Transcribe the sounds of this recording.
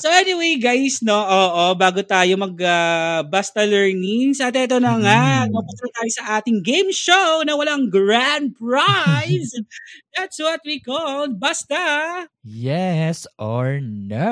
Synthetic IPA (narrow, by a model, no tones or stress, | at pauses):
soʔɛniwejɡajsnoʔoːʔobaːɡot̪aːjomɐɡabast̪ɐlɛɹnɪŋsɐt̪̬ɛɛt̪onɐŋamɐpʊt̪ɾɐt̪aːjosɐʔaːt̪ɪŋɡejmʃownɐwɐlaŋɡɹand̪̚pɹajsd̪æt̪swɔt̪̚wikɔld̪̚bast̪ɐ | jɛsɔɹnɐ